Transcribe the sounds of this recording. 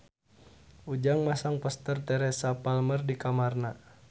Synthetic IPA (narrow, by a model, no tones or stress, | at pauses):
ud͡ʒaŋmasaŋpɔst̪ərt̪ɛɾɛsapalmərdikamarna